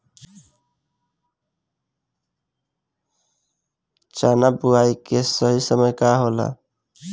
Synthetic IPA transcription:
t͡ʃanabuaikesəɦisəməjkaɦola̰

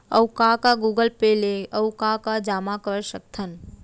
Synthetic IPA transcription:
əwkakaɡuːɡəlpeleəwkakad͡ʒaːmakəɾsək̚t̪ʰən

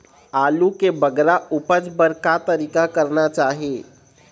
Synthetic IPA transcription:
aːlukebəɡɾaupəd͡ʒbəɾkat̪əɾikakəɾnat͡ʃaːɦe

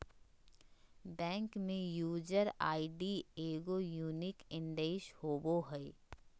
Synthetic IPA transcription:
bɛ̃ːŋkmẽjuːd͡ʒəɾa̰ːiɖieːɡojuːnɪkɪ̃nɖ̪eːʃhoːboɦɛe

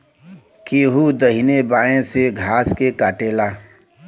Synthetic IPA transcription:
keːɦud̪əɦinebaːẽseɡʱaːskekaːʈeːlaː

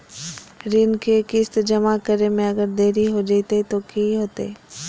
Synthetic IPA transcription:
ɾɪnkekɪst̪d͡ʒɐmakəɾemẽɐɡəɾd̪eːɾiɦod͡ʒait̪et̪okiɦoːt̪ḛː

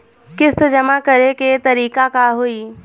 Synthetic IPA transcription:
kɪst̪d͡ʒɐmakɐɾeket̪ɐɾiːkakaɦoiː

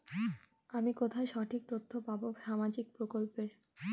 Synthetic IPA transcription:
amikot̪ʰaeʃɔʈʰik̚t̪ot̪ʰːopaboʃamad͡ʑik̚pɾokolpeɾ

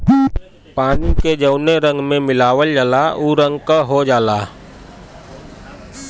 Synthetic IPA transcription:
paːniked͡ʒəʊneɾə̃ŋɡmẽmɪlaːʋəld͡ʒaːlauːɾə̃ŋɡkaɦod͡ʒaːlaː

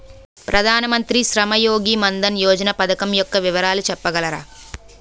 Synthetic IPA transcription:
pɾɐd̪ʱaːnɐmɐnt̪ɾiʃɾɐmɐjoːɡimɐnd̪ɐnjoːd͡ʒɐnɐpɐd̪ɐkɐmjɔkːɐʋiʋɐɾaːlut͡ʃɛpːɐɡɐlɐɾa̰ː

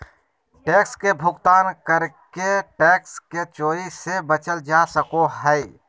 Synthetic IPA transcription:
ʈekskebʱʊɡt̪aːnkəɾkeʈeksket͡ʃoːɾisebət͡ʃəld͡ʒasəkoɦəɪ

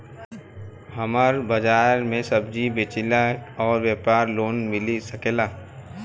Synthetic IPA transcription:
həmaɾbɐd͡ʒaːɾmẽsəbd͡ʒibeːt͡ʃɪlakɔːɾwjeːpaːɾloːnmɪlisəkeːlaː

